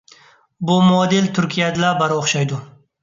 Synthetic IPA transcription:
bʊmʊɒd̪ɪlt̪ʰʊɾkʲʰijad̪ɪlabaɾoχʃajd̪ʊ

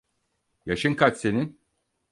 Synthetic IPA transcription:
jaʃɯŋkʰat͡ʃse̞nin

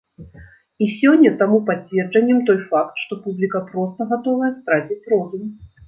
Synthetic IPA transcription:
isʲɔnʲːɐt̪amupat͡sʲvʲɛrd͡ʐɐnʲːɛmt̪ɔjfakt̪ʂt̪ɔpublʲikɐpɾɔst̪ɐɣat̪ɔvɐjɛst̪ɾad͡zʲit͡sʲrɔzum

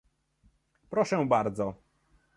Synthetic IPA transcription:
pɾɔʂɛbaɾd̪zɔ

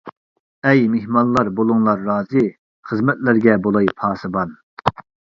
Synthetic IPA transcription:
ɛjmehmɑnlˠɑɾbolˠuŋlˠɑɾːɑːzɨ | χəzmɛt̪læɾɡʲɛbolˠɑjpʰɑːsɨbɑn

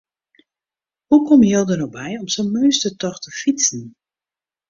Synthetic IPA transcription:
hukɔmjolˠdənobɛjɔmsonmøːstətɔxtəfit͡sən̩

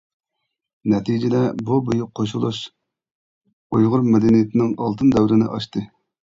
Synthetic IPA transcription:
nɛt̪ʰijd͡ʒɪd̪ɛbubujuqʰːoʃulˠuʃ | ujʁʊɾmed̪ɛnijɪt̪ʰɪnɪŋɑlˠt̪ʰɨnd̪ɛwɾɪnɪ̰ʔɑ̰ʃt̪ɨ

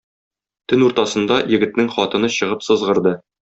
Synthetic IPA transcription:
t̪ɘnuɾt̪ɑsɤ̆nd̪ɑjɘ̆ɡɘ̆t̪̚nɘŋχɒt̪ɤ̆nɤɕɤ̆ʁɤpsɤ̆zʁɤ̆ɾd̪ɤ

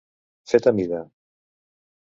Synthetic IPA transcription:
fet̪amiða

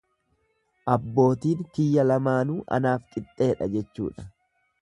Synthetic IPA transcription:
ʔɐbːo̞ːt̪iːŋkɪjːɐlɐmaːnuːʔɐ̰naːfkʼɪt̪ʼːe̞ːᶑɐ̰d͡ʒɛt͡ʃːṵːᶑɐ̥

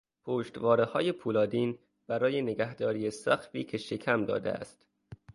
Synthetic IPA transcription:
pʰoːʃt̪vɒːɾehɒːjepʰuːlɒːd̪iːn | b̥æɾɒːje̞neɡæhd̪ɒːɾiːesæxfiːcʰe̞ʃe̞kʰæmd̪ɒ̰ːd̪ḛæ̰st̪

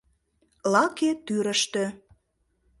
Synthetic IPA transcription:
lɑket̪yɾə̆ʃt̪ø̆

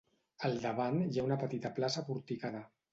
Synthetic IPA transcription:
əlˠd̪əβanjaunəpət̪it̪əplasəpuɾt̪ikaðə

